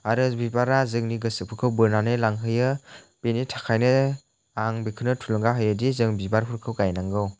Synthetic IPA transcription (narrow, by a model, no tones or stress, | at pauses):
aɾɯbibaɾazɯŋniɡɯsɯpʰɯkʰɯwbɯɾnanɯlaŋɦɯjɯ | penitʰḁkʰajnɯ | aŋbikʰɯnɯtʰulɯŋɡaɦɯjɯdizɯŋbibaɾɦʰuɾkʰɯwɡajnaŋɡɯw